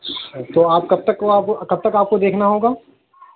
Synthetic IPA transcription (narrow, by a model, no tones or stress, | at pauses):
t̪oːaːp̚kɐb̚t̪ɐkːoaːpkɐb̚t̪ɐkaːp̚kod̪eːkʰnaɦoːɡaː